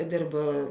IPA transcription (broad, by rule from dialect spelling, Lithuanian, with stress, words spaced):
ˈdʲeːrp